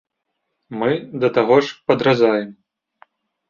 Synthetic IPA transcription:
mɨd̪ɐt̪aɣɔʂpɐd̪ɾazajɛm

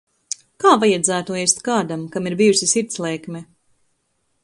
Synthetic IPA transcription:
kaːvajad̪zæːt̪uɛst̪kaːd̪amkamiɾbijusʲisiɾt̪slˠɛːkmʲɛ

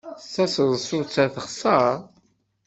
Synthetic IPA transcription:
θæsəzˤsʊt͡sːæθəχsəɾ

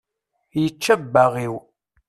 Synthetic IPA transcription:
jət͡ʃːəbːəʁiw

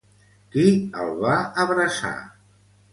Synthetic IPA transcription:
kiə̰lˠβaəβɾəsa̰

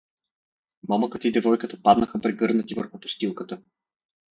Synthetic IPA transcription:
mɔməkət̪əid̪ɛvɔjkət̪əpad̪nəxəpɾɛɡɤɾnət̪ivɤ̰ɾxʊpʊ̥st̪ilˠkət̪ə

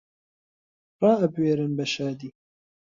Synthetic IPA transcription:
rɑːɐbweːɾɨnbɐʃaːd̪iː

